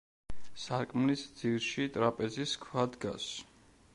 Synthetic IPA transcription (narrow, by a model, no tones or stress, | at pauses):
saɾkʼmlisd̪zilʃit̪ʼɾapʼɛziskʰwad̪ɡa̰s